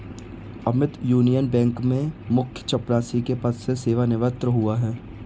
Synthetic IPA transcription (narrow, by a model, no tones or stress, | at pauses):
ɐmɪt̪juːnijənbɛ̃ːŋkmẽmʊkʰjə̥t͡ʃɐpɾaːsikepɐsseseːʋanɪʋət̪ɾəɦuaɦɛː